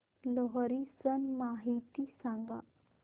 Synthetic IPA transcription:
lɔɦɾisənmaɦit̪isãŋɡa̰

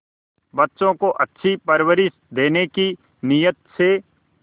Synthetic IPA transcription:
bɐtːʃõkoʔɐtːʃʰipɐɾwəɾɪs | d̪eːneki | nijət̪se

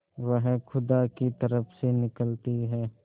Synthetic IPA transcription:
ʋəɦxʰʊd̪akit̪ɐɾəpʰsenɪkəlt̪iɦɛː

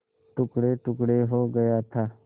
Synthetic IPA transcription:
ʈukɽeʈukɽeɦoɡəjat̪ʰa

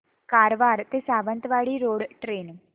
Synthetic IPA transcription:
kaːɾʋaːɾt̪eːsaːʋə̃nt̪ʋaːɭiːɾoːɽʈɾeːn

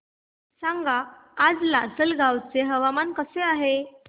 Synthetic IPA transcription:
saŋɡaːd͡zlasəlɡʱawt͡seɦəʋamankəseaɦe

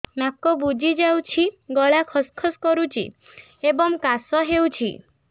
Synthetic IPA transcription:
nakɔbud͡ʒid͡ʒawt͡ʃʰiɡɔɭakʰɔskʰɔskɔɾut͡ʃʰḭ | ebɔŋkasɔɦewt͡ʃʰḭ

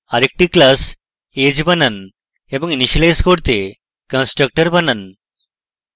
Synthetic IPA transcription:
aɾek̚ʈiklas | ed͡ʑbənən | ebəŋiniɕəlajskoɽt̪e | kə̃nsʈɾək̚ʈəɾbənən

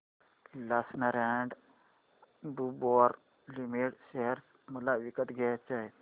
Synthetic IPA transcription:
lasnəɾeɳɖ | ɖubɔɾ | limeʈɕeɦəɾs | məlaʋikət̪ɡʱɛjt͡ɕaɦe

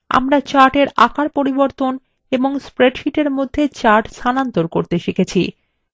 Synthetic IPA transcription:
a̰mɾat͡ɕaɾʈeɾa̰kaɾpoɾiboɾt̪on | eboŋspɾeɖʃiʈeɾmod̪ʱːet͡ɕaɾʈsʰanant̪oɾkoɾt̪eʃekʰet͡ɕʰḭ

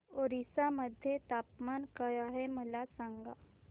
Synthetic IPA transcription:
oːɾisaməd̪ʱjet̪aːpmaːnkəjaɦeməlasãŋɡa

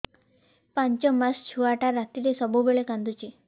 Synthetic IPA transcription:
paɲt͡ʃɔmast͡ʃʰuaʈaɾat̪iɾesɔbubeɭekãnd̪ut͡ʃʰe

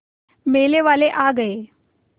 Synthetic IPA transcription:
meleʋaleʔaɡəe

